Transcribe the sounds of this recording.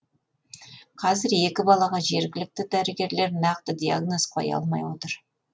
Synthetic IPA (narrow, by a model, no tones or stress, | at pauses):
qʰɑzɪɾe̞kʲɪbɑlˠɑʁɑʒe̞ɾɡʲɪlɪk̚t̪ɪd̪æɾɪɡʲe̞ɾle̞ɾnɑqt̪əd̪ija̰ɡno̞sqʰɑ̰jɑ̰lˠmɑ̰jwo̞t̪əɾ